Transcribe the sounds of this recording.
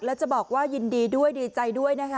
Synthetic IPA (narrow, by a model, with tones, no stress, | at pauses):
k̚lɛː˦˥wt͡ɕa˨˩bɔː˨˩k̚waː˥˩ji˧ndiː˧du˥˩əjdiː˧t͡ɕa˧jdu˥˩əjna˦˥kʰa˦˥